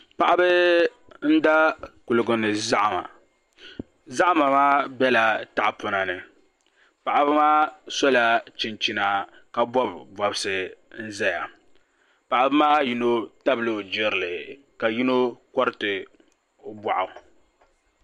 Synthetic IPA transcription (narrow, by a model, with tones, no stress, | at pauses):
pa˨ʔa˦bɨ˦ | n̩˦da˦ku˨lʊ˨ɡʊ˨nɨ˨za˦ʔa˨ma̰˨ | za˦ʔa˦ma˨maː˦bɛ˦la˨ta˦ʔa˨pʊ˨na˨nɨ˨ | pa˨ʔa˨˦bɨ˦maː˦sɔ˦la˨t͡ʃɪ˨nt͡ʃi˨na˨ | ka˨bɔ˦bbɔ˨bɨ˦sɨ˨n̩˦zɛ˦ja˨ | pa˨ʔa˨bɨ˦maː˦ji˦no˦ta˦bɨ˨lo˦˨d͡ʒɪ˦ɾɨ˨lɨ˨ | ka˨ji˦no˦kɔ˦ɾɨ˦tɨ˨ | o˦ba˨ʔʊ˨